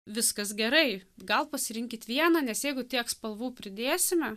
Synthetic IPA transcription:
ʋʲɪskɐsɡʲɛɾɐɪɡɐlˠpɐsʲɪɾʲɪŋʲkʲɪt̪ʋʲiɛnɑnʲɛsjɛɪɡʊt̪ʲiɛkspɐlˠʋuːpʲɾʲɪd̪ʲeːsʲɪmʲɛ

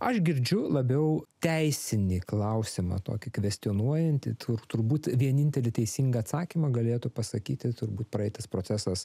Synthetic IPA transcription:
ɐʃɡʲɪɾʲd͡ʒʲʊlˠɐbʲɛʊt̪ʲɛɪsʲɪnʲiːklˠɐʊsʲɪmɐ̰t̪o̰ːkʲɪkʋʲɛsʲt̪ʲɪoːnuɔjɛnʲt̪ʲɪ̰t̪ʰʊrt̪ʊɾbuːt̪ʋʲiɛnʲɪnʲt̪ʲɛlʲɪt̪ʲɛɪsʲiːŋɡɐːt̪sɑːkʲimɐɡɐlʲeːt̪ʊpɐsɐkʲiːt̪ʲɪt̪ʊɾbuːt̪pɾɐɛɪt̪ɐspɾoːt͡s̪ʲæsɐs

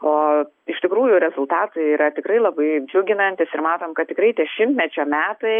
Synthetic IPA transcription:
oː | ɪʃt̪ʲɪkɾuːjʊɾʲɛzʊlˠt̪ɑːt̪ɐɪiːɾɐt̪ʲɪkɾɐɪlˠɐbɐɪd͡ʒʲʊɡʲɪnɐnʲt̪ʲɪsɪrmɑːt̪oːmkɐt̪t̪ʲɪkɾɐɪt̪ʲiɛʃʲɪmʲt̪ʲmʲɛt͡ʃʲoːmʲæːt̪ɐɪ

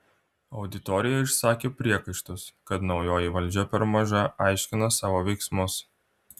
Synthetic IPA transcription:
ɐʊd̪ʲɪt̪ɔːɾʲɪjɛɪʃsɑːkʲeːpʲɾʲiɛkɐɪʃt̪ʊskɐt̪nɒʊjoːjɪʋɐlʲˑd͡ʒʲɛpʲɛɾmɐʒɐʔɑˑɪʃʲkʲɪnɐsɑːʋoːʋʲɛɪksmʊs

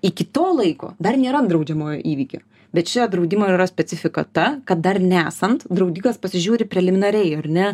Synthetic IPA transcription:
ɪkʲɪt̪oːlˠɐɪko̰ːd̪ɐrnʲeːɾɐnd̪ɾɐʊd͡ʒʲɛmoːjo̰ːʔiːʋʲiːkʲo̰ː | bʲɛt̪ʃʲɪt̪ɐd̪ɾɐʊd̪ʲɪmoːiɾɐsʲpʲɛt͡s̪ʲɪfʲɪkɐ̰t̪ɐkɐt̪̚d̪ɐrnʲɛæːsɐnt̪d̪ɾɐʊd̪ʲiːkɐspɐsʲɪʒʲuːɾʲɪpʲɾʲɛlʲɪmʲɪnɐɾʲɛɪɐrnʲɛ

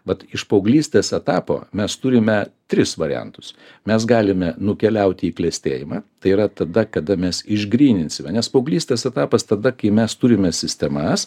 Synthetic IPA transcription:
ʋɐt̪ɪʃpɐʊɡlʲiːsʲt̪ʲeːsɛt̪ɑːpo̰ːmʲɛst̪ʊɾʲɪmʲɛt̪ʲɾʲɪsʋɐɾʲɪ̰ɛ̰nt̪ʊ̥s | mʲɛs̬ɡɑːlʲɪmʲɛnʊkʲɛlʲɛʊt̪ʲɪiːklʲɛsʲt̪ʲḛːjɪmɑːt̪ɐɪiɾɐt̪ɐd̪ɐkɐd̪ɐmʲɛsɪʒɡɾʲiːnʲɪnʲsʲɪmʲɛnʲɛspɐʊɡlʲiːsʲt̪ʲeːsɛt̪ɑːpɐst̪ɐd̪ɐkɐɪmʲɛst̪ʊɾʲɪmʲɛsʲɪsʲt̪ʲɛmɐs

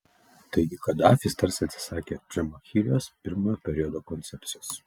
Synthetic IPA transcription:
t̪ɐɪɡʲɪkɐd̪ɑːfʲist̪ɐɾsʲɐt̪ʲsʲɪ̥sɑːkʲeːʒʲɛmɐxʲiːɾʲɪjoːspʲɪɾmojoːpʲɛɾʲiɔd̪oːkɔnt̪sʲɛpʲt̪ʲɪjoːs

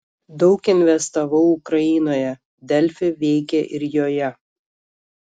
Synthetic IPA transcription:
d̪ɒʊkɪnʲʋʲɛst̪ɐʋɐʊʊkɾɐɪːnoːjɛ | d̪ʲɛlʲfʲɪʋʲɛɪkʲɛʔɪɾjoːjɛ

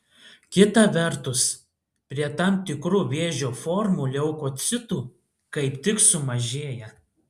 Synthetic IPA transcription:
kʲɪt̪ɐʋʲɛɾt̪ʊs | pʲɾʲiɛt̪ɑˑmt̪ʲɪkɾuːʋʲeːʒʲoːfɔɾmuːlʲɛʊkoːt̪sʲɪt̪uː | kɐɪpt̪ʲɪksʊmɐʒʲeːjɛ

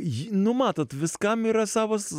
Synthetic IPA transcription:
jnʊmɑːt̪oːt̪ʋʲɪskɐmiːɾɐsɑːʋoːs

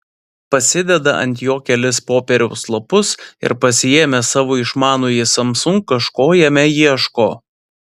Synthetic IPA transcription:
pɐsʲɪd̪ʲɛd̪ɐʔɐ̰nʲt̪ʲjoːkʲɛlʲɪspoːpʲɛɾʲɛʊslˠɐpʊsɪ̰ɾpɐsʲɪjeːmʲɛsɑːʋoːɪʃmɑːnoːjɪsɐmsʊŋkːɐʃkoːjɛmʲɛjiʃkoː

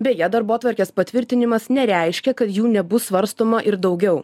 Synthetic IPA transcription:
bʲejɛd̪ɐɾboːt̪ʋɐɾʲkʲeːspɐt̪ʲʋʲɪɾʲt̪ʲɪnʲɪmɐsnʲɛɾʲæˑɪʃʲkʲɛkɐt̪juːnʲɛbʊsʋɐɾst̪oːmɐʔɪɾd̪ɒʊɡʲɛʊ

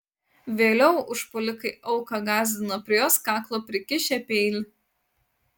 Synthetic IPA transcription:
ʋʲeːlʲɛʊʔʊʃpɔlʲɪkɐɪʔɒʊkɐɡɑːzʲd̪ʲɪnopʲɾʲɪjoːskɑːklˠoːpʲɾʲɪkʲɪʃʲɛpʲeɪlʲ

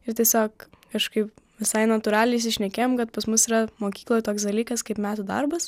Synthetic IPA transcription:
ɪɾt̪ʲiɛsʲoːkkɐʃkɐɪpʋʲɪsɐɪnɐt̪ʊɾɑːlʲɪnʲɪsʲɪʃʲnʲɛkʲeːjoːmkɐt̪pɐsmʊsiːɾɐmoːkʲiːklˠojt̪oːksd̪ɐlʲiːkɐskɐɪpmʲæːt̪ʊd̪ɐ̰rbɐs

